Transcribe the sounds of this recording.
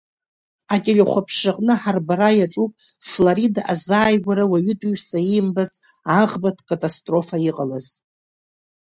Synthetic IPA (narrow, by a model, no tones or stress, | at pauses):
atʼelʲeχʷapʰʂaqʼnɨħarbaɾajaʈ͡ʂʼupʼ | flaɾidaʔazaːjɡʷaɾawaɥʏtʼuɥsaimbat͡sʰʼ | aʁbatʰkʼatʼastʼro̞faiqʼalaz